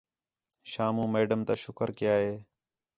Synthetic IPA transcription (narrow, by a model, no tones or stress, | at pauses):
ʃaːmũːmeːɖəmt̪aːʃʊkəɾkɪjaːɦeː